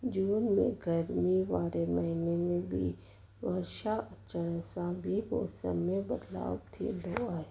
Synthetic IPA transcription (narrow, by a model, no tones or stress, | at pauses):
d͡ʒuːnmḛ̃ɡəɾmiʋaːɾeməɦinemẽbʱḭ | ʋəɾʃat͡ʃəɽəsãbʱibo̰ːsə̰mmẽbəd̪la̰ːwt̪ʰḭloae